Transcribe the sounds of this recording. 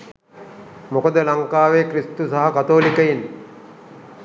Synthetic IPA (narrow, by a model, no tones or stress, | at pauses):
mokəd̪əlaŋkaːʋekrist̪usaɦakat̪oːlikəjin